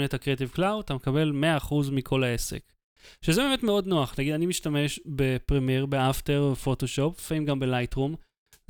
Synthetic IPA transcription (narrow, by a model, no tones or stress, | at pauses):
netakʁet̬ivklawat̪amekabelmeaːχuzmikʰo̞lae̞se̞̰k | ʃezebemetmeo̞dnoaχnaɡid̪animiʃtame̞ʃbe̞pʁimeʁbeafteʁvefo̞to̞ʃo̞pfaimɡambelajtʁum